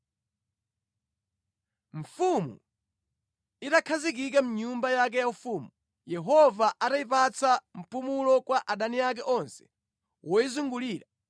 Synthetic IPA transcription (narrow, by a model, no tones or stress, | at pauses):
ɱ̩fumṵ | itakʰazikik̬am̩uɲumbajak̬ɛjaufuːmu | jɛɦɔvaʔataipat͡sam̩pumulɔkwaʔaɗaniak̬ɛʔɔnsɛ̥ | wʔɔjizuŋɡuliːɾa